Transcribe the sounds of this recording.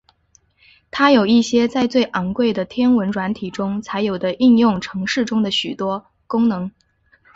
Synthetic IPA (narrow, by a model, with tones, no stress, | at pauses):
t̪ʰa˥jo˨˩ʊi˥˩ɕjɛ˥t͡sa˥˧ɪt͡swe˥˩ɪʔɑ˧˥ŋkwe˥˩ɪd̪ə˩t̪ʰjɛ˥nwə˧˥nʈ͡ʂwa˧˥nt̪ʰi˨˩ʈ͡ʂʊ˥ŋt͡sʰa˧˥ɪjo˨˩d̪ə˦ʔi˥˧njʊ˥˩ŋʈ͡ʂʰɤ˧˥ŋʂɻ̩˥˩ʈ͡ʂʊ˥ŋd̪ə˨ɕy˨˩t̪wɔ˥ | kʊ˥ŋnɤ˧˥ŋ